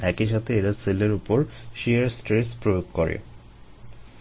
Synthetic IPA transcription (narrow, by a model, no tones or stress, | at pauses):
ɛkiʃat̪ʰeeɾaseleɾupoɾʃieɾsʈɾespɾojoɡ̚koɾḛ